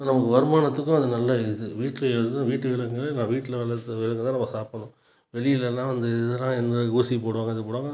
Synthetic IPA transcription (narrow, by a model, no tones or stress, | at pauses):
nɐmɐkːɯʋɐɾɯmaːnɐt̪ːɯkːʊ̃ɐðɯnɐlːɐɪðɯʋiːʈːlɐɛɐt̪ɯt̪ãːʋiːʈːɯʋɪɭɐkːŋɡɐɭɐnãːʋiːʈːɪlɐʋɐɭɐt̪ːɐʋɪɭɐkːɐt̪ãːnɐmɐɐsaːpːɐɳʊ̃ | ʋɛɭɪjɪlɛlːãːʋɐnd̪ɯɪðɯlãːɛnd̪ɐɡuːsipoːɽɯʋaːŋɡɐɪðɯpoːɽaːŋɡɐ